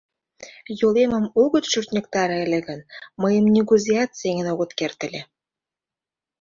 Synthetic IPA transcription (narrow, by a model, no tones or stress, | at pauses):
jolemə̆moɣə̆t̪ʃyrt̪nʲə̆k̚t̪ɑɾə̆lʲĕɣə̆nməjə̆mnʲiɣuzʲiɑt̪seŋə̆noɣŏt̪kert̪ə̆lʲe